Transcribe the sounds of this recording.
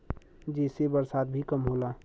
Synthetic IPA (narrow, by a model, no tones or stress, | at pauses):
d͡ʒɛːsebəɾsaːt̪̚bʱikəmɦoːla